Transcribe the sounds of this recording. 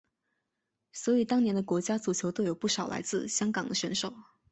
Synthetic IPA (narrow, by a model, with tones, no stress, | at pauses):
swɔ˧˥i˨˩t̪ɑ˥ŋnjɛ˧˥nd̪ə˧kwɔ˧˥t͡ɕja˥t͡su˨˩t͡ɕʰjo˧˥ʊt̪o˥ʊjo˨˩ʊpu˥˩ʂɑ˨˩ʊlʔa̰˧˥ɪt͡sɹ̩˥˩ɕjɑ˥ŋkɑ˨˩ŋd̪ə˦ɕɥɛ˧˥nʂo˨˩ʊ